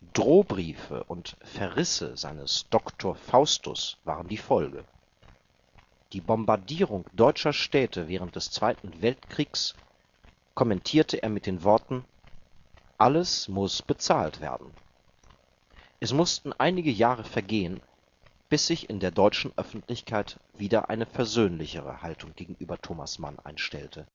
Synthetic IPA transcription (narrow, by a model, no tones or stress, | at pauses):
d̥ʁoːbʁiːfə̰ʔʊntfɛɐʁɪsə̰za̰ɪnə̰sd̥ɔktʰoːɐfaʊstʊ̰sv̥a̰ːʁəndiːfɔlɡə̰ | d̥iːbɔmbaɐdiːʁʊŋd̥ɔʏt͡ʃɐʃtɛːtʰəvɛːʁ̞ənt̚d̥ɛst͡sv̥aɪtn̩vɛltkʁ̥iːks | kʰɔmɛntʰiːɐtʰəʔeːɐmɪt̚d̥eːnvɔɐtn̩ | ʔaləsmʊsb̥ət͡saːltv̥ḛːɐdn̩ | ʔɛsmʊstn̩ʔaɪnɪɡəjaːʁ̞əfɛɐɡeːən | b̥ɪsz̥ɪçɪ̰ndeːɐdɔʏt͡ʃn̩ʔœfn̩tlɪçkʰaɪtv̥iːdɐʔa̰ɪnəfɛɐzøːnlɪçəʁ̞ə̰haltʊŋɡ̥eːɡŋ̩ʔyːbɐtʰoːma̰sma̰nʔa̰ɪnʃtɛltʰə